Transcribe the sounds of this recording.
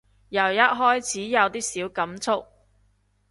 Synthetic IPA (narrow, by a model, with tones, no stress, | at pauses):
jɐ˨˩wjɐ˥t̚ɦɔː˥jt͡sʰiː˨˥jɐ˨˧wt̪iː˥siː˨˥wkɐ˨˥mt͡sʰʊ˥k̚